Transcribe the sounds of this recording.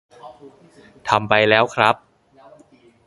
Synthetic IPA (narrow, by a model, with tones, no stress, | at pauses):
t̪ʰa˧mpa˧jlɛː˦˥wkʰɾa˦˥p̚